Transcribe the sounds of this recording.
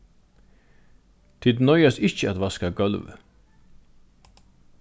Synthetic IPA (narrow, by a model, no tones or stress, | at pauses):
t̪ʰɪd̪nœʏɑsɪçəɑt̪ʋɑskaɡœlʋə̰